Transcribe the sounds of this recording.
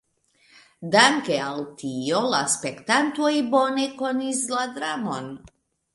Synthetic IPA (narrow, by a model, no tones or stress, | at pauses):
d̪amkɛalt̪ijɔlaspɛkt̪ant̪wɔibɔnɛkɔnizlad̪ɾamɔn